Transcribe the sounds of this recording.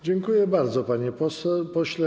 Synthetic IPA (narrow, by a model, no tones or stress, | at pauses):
d͡ʑɛŋkujɛbaɾd̪zɔpaɲɛpɔsɛpɔɕlɛ